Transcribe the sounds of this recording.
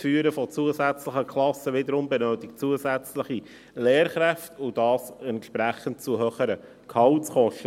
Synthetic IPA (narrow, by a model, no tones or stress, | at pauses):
fyːəɾəfɔt͡suəsæt͡sləχəkʰlɑsəʋɪd̪əɾʊmbɛnøːtɪk̚tt͡suəzæt͡sləχi | leːɾχɾæftʊd̥ɑːsɛntʃpɾæχənt̚t͡suɦøːχəɾə | kʰhɑltt͡sχɔʃtə